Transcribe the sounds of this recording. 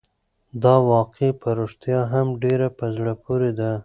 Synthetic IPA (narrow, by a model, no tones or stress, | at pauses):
d̪ɑwɑqepəɾoʂt̪jɑɦamɖeɾapəzɽəpoɾed̪a